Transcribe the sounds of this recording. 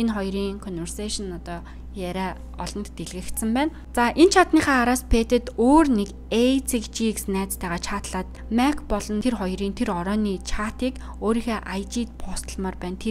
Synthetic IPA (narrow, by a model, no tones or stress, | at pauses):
enχɔjɾiːŋkʰɔnwersaʃɔ̆nɔt̪ɔː | jæɾʲæː | ɔɮɞ̆nt̪ːeɮɣɘ̆kt̪sə̆mpæːn | t͡saʔent͡ɕʰat̪niːχæːɾaːspʰeːt̪ɘ̆t̪oːrnek | et͡sʰikt͡ɕiksnæːt͡st̪ʰæːʁaːt͡ɕʰaːt̪ɮaːt̪̚ | mækʰpɔɮɞ̆nt̪ʰerχɔjriːnt̪ʰeɾɔɾɔːniːt͡ɕʰaːt̪iːk | oːɾiːxeːʔajt͡ɕiːt̪̚pʰɔst̪ə̆ɮmaːrpæːnt̪ʰe